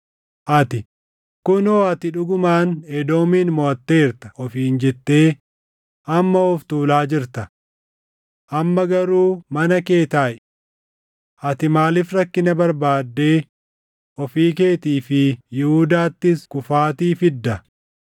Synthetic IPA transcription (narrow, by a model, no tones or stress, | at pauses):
ʔɐt̪ɪ | kʊnoːɐt̪ɪᶑʊɡʊmaːnɛd̪o̞ːmiːnmɔɐt̪ːe̞ːɾt̪ɐ̥ʔɔfiːnd͡ʒɛt̪ːe̞ː | ʔɐmːɐɔft̪uːlaːd͡ʒɪɾt̪ɐ | ʔɐmːɐɡɐɾuːmɐnɐke̞ːt̪aːʔɛ | ʔɐt̪ɪmaːlɪfɾɐkːɪnɐbɐɾbaːd̪ːe̞ː | ʔɔfiːk̬e̞ːt̪iːfɪjɪhud̪aːt̪ːɪskʊfaːt̪iːfɪd̪ːɐ